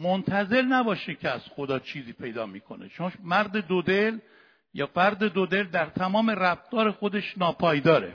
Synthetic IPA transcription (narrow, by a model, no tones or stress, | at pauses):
mont̪ʰæze̞lnæbɒːʃecʲʰeæz̥xod̪ɒːt͡ʃʰiːziːpʰe̞jd̪ɒːmiːkʰo̞nḛt͡ʃonmæɾd̪e̞d̪od̪el | jɒ̰ːfæɾd̪e̞d̪od̪e̞ld̪æɾt̪ʰæmɒːme̞ræft̪ɒːɾe̞xo̞d̪e̞ʃnɒːpʰɒːjd̪ɒːɾḛ